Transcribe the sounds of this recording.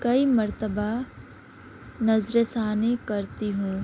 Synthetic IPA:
kɐimɐɾt̪əba | nɐzɾesaːnekɐɾt̪iɦũː

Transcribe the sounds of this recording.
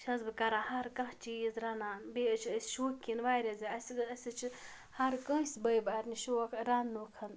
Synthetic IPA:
ʃʰɐzbɨkɐɾaːhɐɾkɐ̃ɦt͡ʃiːzɾɐnaːnbeət͡ʃʰəsʲʃoːkʲːinʋaːɾʲɐziɐsʲiɨɐsʲit͡ʃʰi | hɐɾkɐ̃sʲbɐjbaːɾniʃokʰɾanːukʰɐn

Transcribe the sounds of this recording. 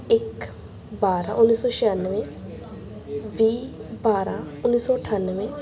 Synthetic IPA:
ɪk | baːɾa̰ːʔʊnːiːsɔːʃəjanːʋẽː | ʋiːbaːɾaːʊnːiːsɔːəʈʰaːnːʋẽː

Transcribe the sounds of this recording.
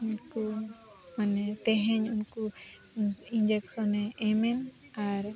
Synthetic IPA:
unku | manɛt̪ɛɦɛɲunku | ind͡ʒɛksɔnɛʔɛmɛn | aɾ

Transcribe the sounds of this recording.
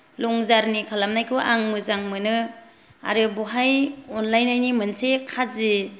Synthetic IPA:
lɔŋzaɾnikʰalamnajkʰɯʔaŋmɯzaŋmɯnɯ | a̰ɾɯbɔɦajɔnlajnajnimɯnsekʰazi

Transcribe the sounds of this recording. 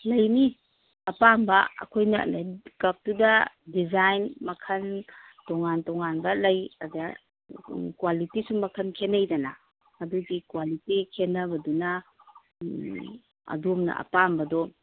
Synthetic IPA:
lɐjni | ɐpambɐɐ̰kʰojnɐ̰ʔnakɐp̚tudɐdizajnmɐkʰɐn | tɔŋantɔŋanbɐlɐjɐ̰da | kwalitisumɐkʰɐnkʰenɐjdɐna̰ː | duɡikwalitikʰenːɐbɐduna | ɐ̰dumnɐ̰ʔɐ̰pambɐdɔ

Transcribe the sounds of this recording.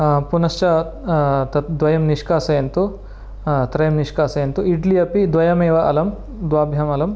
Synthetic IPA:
punɐst͡ʃɐ | t̪ɐd̪ʋɐjɐmniʂkaːsɐjɐnt̪u | t̪ɾɐjɐmniʂkaːsɐjɐnt̪uiɖlijɐpid̪ʋɐjɐmeːʋɐʔɐlɐm | d̪ʋaːbʱjɐmɐlɐm

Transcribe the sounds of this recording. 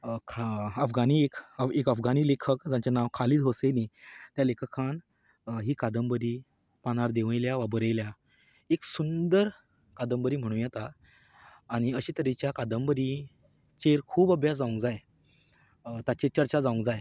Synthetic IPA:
kʰəfɡaniekekəfɡaniːlekʰəkd͡zãɲt͡ɕanaʋkʰaliːd̪ɦosenit̪jalekʰəkʰan | ɦiːkad̪əmbəɾi | pañaɾd̪eʋə̃jljaʋabəɾəjlja | eksund̪əɾ | kad̪əmbəɾiːm̤əɽ̃ũːjɛt̪aː | ɽ̃iəɕiːt̪əɾet͡ɕjakad̪əmbəɾi | t͡ɕeɾkʰuːbəbjasd͡zaũŋkd͡zaj | t̪at͡ɕet͡ɕəɾt͡ɕad͡zaũŋkd͡zaj

